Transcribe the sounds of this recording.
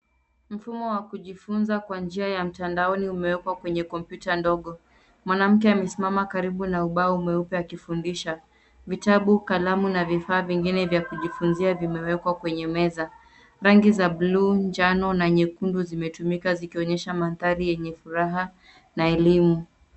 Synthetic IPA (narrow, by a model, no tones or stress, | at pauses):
m̩fumɔwakuʄifunzakwand͡ʒiajam̩tandaɔniumɛwɛkwakwɛɲɛkɔmpjutandɔɠɔ | mwanam̩k̬ɛamɛsimamakaɾiɓunauɓaumɛupɛakifundiʃa | vitaɓukalamunavifaːviŋɡinɛvjakuʄifunziavimɛwɛkwakwɛɲɛmɛza | ɾaŋɡizaɓluːnd͡ʒanɔnaɲɛkunduzimɛtumikazikiɔɲɛʃamanθaɾijɛɲɛfuɾaɦa | naɛlimu